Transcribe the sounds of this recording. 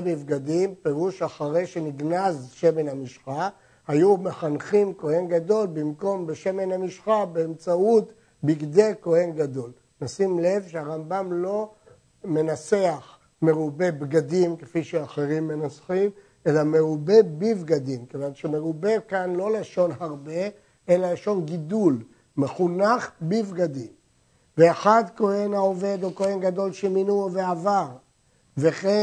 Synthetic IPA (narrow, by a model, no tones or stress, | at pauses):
bivɡad̪impe̞ʁuʃaχaʁejʃeniɡnazʃemenhamiʃχa | hajume̞χanχimko̞henɡad̪o̞lbimko̞mbeʃe̞me̞nhamiʃχabeːmt͡saut̪ | biɡd̪e̞ko̞he̞nɡad̪o̞l | nasimle̞vʃeaʁambamlo̞ | me̞naseaχ | me̞ʁube̞bɡad̪imkefiʃeaχeʁimːenasχim | elame̞ʁube̞bivɡad̪imkevanʃemeʁube̞kanlo̞laʃo̞nɦaʁbe̞ | elalaʃo̞nɡid̪ul | meχunaχbivɡad̪im | veaχad̪ko̞henaove̞d̪ukohe̞nɡad̪o̞lʃeminuveavaʁ | veχe